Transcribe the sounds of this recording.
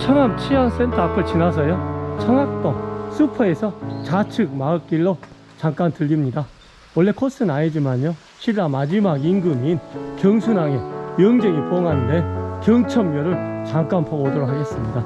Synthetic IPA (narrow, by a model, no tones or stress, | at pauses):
t͡ɕʰʌŋamt͡ɕʰians͈ʰe̞ntʰʌapʰɯɭt͡ɕinas̬ʰʌjot͡ɕʰʌŋak̚t͈osʰupʰʌe̞sʰʌt͡ɕat͡ɕʰɯk̚maɯk͈iɭːo | t͡ɕaŋk͈antɯʎːimɲida | wʌɭːe̞kʰos͈ʰɯnaɲed͡ʑimaɲjo | ɕʰiɾamad͡ʑimaɡinɡɯminkjʌŋsʰunaŋejʌŋd͡ʑeŋipoŋɦanɯnde̞kjʌŋt͡ɕʰʌmːjʌɾɯɭ | t͡ɕaŋk͈anpʰoɡodoɾok̚haɡe̞s͈ɯmɲida